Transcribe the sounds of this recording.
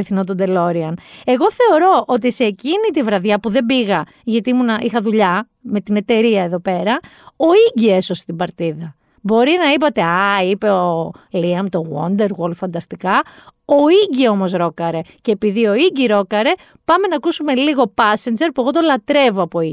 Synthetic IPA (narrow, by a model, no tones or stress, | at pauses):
eθinot̪̬od̪e̞lo̞ɾiɐne̞ɣo̞θe̞o̞ɾo̞ʔot̪̬ise̞ːcinit̪ivɾɐðʝɐpuðe̞mbiɣɐ | ʝɐt̪imunɐʔixɐðuʎɐ | me̞t̪ine̞t̪e̞ɾiɐeðo̞pe̞ɾɐ | o̞iɟie̞so̞se̥t̪ibɐɾt̪iðɐ | bo̞ɾinɐipɐt̪e̞ɐipe̞oliɐmt̪oɣwond̪e̞ɾɣolfɐnd̪ɐst̪ikɐoiɟiomo̞sɾo̞kɐɾe̞ce̞ːpiðio̞iɟiɾo̞kɐɾe̞ | pɐme̞nɐkusume̞liɣo̞pɐsend͡ʒe̞ɾpue̞ɣo̞t̪o̞lɐt̪ɾe̞voɐpo̞i